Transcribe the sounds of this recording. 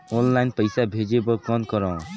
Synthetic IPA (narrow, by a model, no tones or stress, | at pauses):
ɔnlajnpəjsabʱed͡ʒebɔkɔnkɔɾɔ̃